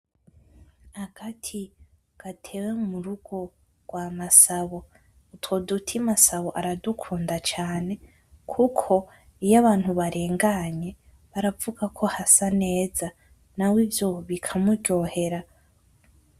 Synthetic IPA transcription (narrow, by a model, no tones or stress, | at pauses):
haɡ̥atʰi | ɡ̥atʰe̞wemuɾuɡ̥o̞ | ɡ̥wamasaβo̞ | utwo̞dutʰimasaβoʔaɾadukʰuːndat͡ʃaːne̞ | kʰukʰo̞ | ijaβaːn̥huβaɾe̞ːŋɡaɲe̞ | βaɾavuɡakʰo̞hasane̞ːza | nawivjo̞βikʰamuɟo̞ːhe̞ɾa